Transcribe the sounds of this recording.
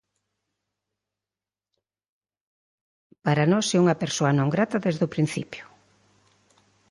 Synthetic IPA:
paɾanɔsɛuŋɐpeɾsoɐnõŋɡɾat̪ɐðezðʊpɾin̟θḭpjʊ̥

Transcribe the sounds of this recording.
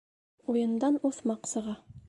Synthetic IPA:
ujɤ̆nd̪ɑnuθmɑqsɤ̆ʁɑ

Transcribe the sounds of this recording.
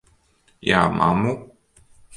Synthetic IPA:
jamʔa̰mu

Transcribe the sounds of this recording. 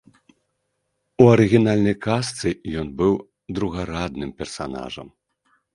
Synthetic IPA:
uɐɾɨɣʲinalʲnɐjkast̪sɨjɔnbɨw | d̪ɾuɣaɾad̪nɨmpʲɛrsa̰na̰ʐɐ̰m

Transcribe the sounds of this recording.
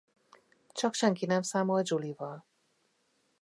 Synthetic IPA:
t͡ʃɒkʃɛŋkinɛmsaːmold͡ʒulivɒl

